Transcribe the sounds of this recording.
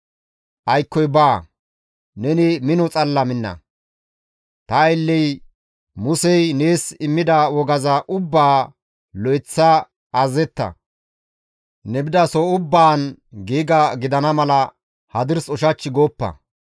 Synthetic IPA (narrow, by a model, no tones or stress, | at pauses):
ʔɐjkːɔjbaː | nɛnɪmɪnɔt͡sʼɐlːɐmɪnːɐ̰ | t̪ɐɪlːɛj | mʊsɛjne̞ːsɪmːɪd̪ɐwɔɡɐzɐʔʊbːaː | lɔjt͡sːɐ | ʔːzɛt̪ːɐ̰ | nɛbɪd̪ɐsɔʊbːaːnɡiːɡɐɡɪd̪ɐnɐmɐlɐ | hɐd̪ɪɾsɔʃɐt͡ʃːɪɡoːpːɐ̰